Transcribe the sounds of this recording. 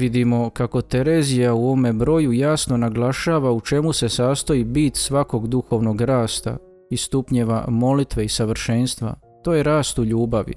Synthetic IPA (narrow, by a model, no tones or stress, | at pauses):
ʋid̪imo̞kako̞t̪e̞ɾeːzijauoʋome̞bɾo̞jujasno̞naɡlˠaʃaːʋaut͡ʃe̞muse̞saːst̪oibit̪sʋako̞ɡd̪uxo̞ːʋnoɡɾaːst̪a̰ | ist̪upɲeʋa̰mo̞lit̪ʋe̞isaʋr̩ʃe̞nst̪ʋa̰ | t̪oːje̞ɾaːst̪uʎuːbaʋḭ